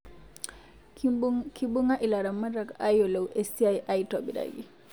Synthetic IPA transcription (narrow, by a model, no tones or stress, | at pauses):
kibuŋaʔilaɾamːadɾakajolowʔesiajʔajtɔbiɾa̰ɡi